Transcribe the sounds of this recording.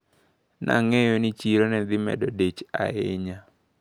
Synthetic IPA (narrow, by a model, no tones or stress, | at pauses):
na̰ŋɛjonɪt͡ʃiɾonɛd̪ɪmɛ̰dɔdet͡ʃa̰ɪ̰ɲa